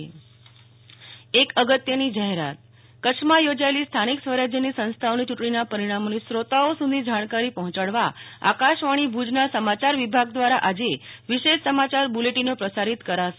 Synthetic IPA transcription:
ekəɡət̪jənid͡ʒaɦeɾa̰t̪̚ | kəkʂmajod͡ʒaelist̪ʰaniksʋəɾad͡ʒjənisə̃ñst̪ʰaonit͡ʃuʈɳinapəɾiɽ̃amonisɾot̪aosud̪ʱĩd͡ʒaɽ̃kaɾipəɦɔ̃t͡ʃaɽʋaa̰kaʃʋaɽ̃ibʱud͡ʒnasəmat͡ʃaɾʋibʱaɡd̪ʋaɾaʔad͡ʒeʋiʃeʃsəmat͡ʃaɾbuleʈinopɾəsaɾit̪kəɾaʃe

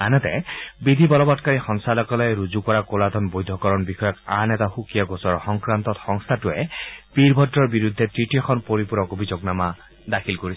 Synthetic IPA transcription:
anɛtɛ̰bid̪ʱibɔlɔbɔtkaɹixɔŋsalɔkɔlɔjɹuzukɔɹakolad̪ʱɔnbojd̪ʱːɔkɔɹɔnbixɔjɔkanɛtaxukijaɡosɔɹxɔŋkɹant̪ɔtxɔŋst̪ʰatʊɛpiɹbʱɔdːɔɹbiɹud̪ʱːɛtɹitiɔxʰɔnpoɹipuɹɔkobʱizoknama | dakʰilkoɹis

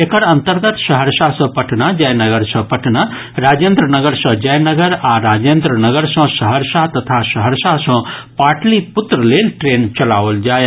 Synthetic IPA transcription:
ekəɾɐ̃nt̪əɾɡət̪ʃɐɦəɾsasɐ̃pəʈʰnad͡ʒɐjnəɡəɾsɐ̃pɐʈʰna | ɾaːd͡ʒend̪ɾənəɡəɾsɐ̃d͡ʒɐjnəɡəɾaɾaːd͡ʒeːnd̪ɾənəɡəɾsɐ̃səɦəɾsat̪ɐt̪ʰasəɦəɾsasə̃paːʈʰlipʊt̪ɾəlelʈɾeːnt͡ʃɐlaːʋəld͡ʒaːj

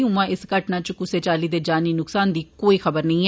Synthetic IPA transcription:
ũːmãːʔɪskəʈnãːt͡ʃkʊseːt͡ʃaːliːd̪eːd͡ʒaːniːnʊksaːnd̪iːkoːiːxəbəɾnəĩː

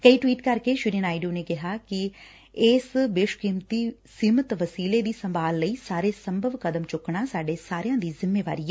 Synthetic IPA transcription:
kəiːʈʋiːʈkəɾkeːʃʊɾiənaːiɖijoːneːkɪɦaːkɪ | ɪsʋeːʃkiːmt̪iːsiːmət̪ʋəsiːleːd̪iːsəmbaːlːəiːsaːɾeːsəmbʱəʋkəd̪əmt͡ʃʊkɳaːsaːɖeːsaːɾejãːd̪iːzɪmːeːʋa̰ːɾiːa

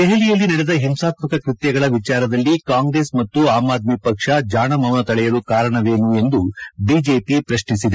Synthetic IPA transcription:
d̪eɦelijɐlːinɐɽɛd̪ɐɦemsaːt̪mɐkɐkɾit̪jɐɡɐɭɐʋit͡ʃaːɾɐd̪ɐlːikaːŋɡɾe̞ːsmɐt̪ːuaːmaːd̪̚mipɐkʂɐd͡ʒaːɳɐmɐʋnɐt̪ɐɭɛjɐlukaːɾɐɳɐʋe̞ːnue̞nd̪ubiːd͡ʒeːpipɾɐʃɳisid̪e

